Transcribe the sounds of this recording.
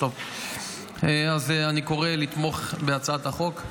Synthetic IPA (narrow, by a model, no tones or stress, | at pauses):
ov | eazaniko̞ʁelit̪mo̞χbeat͡saat̪haχo̞k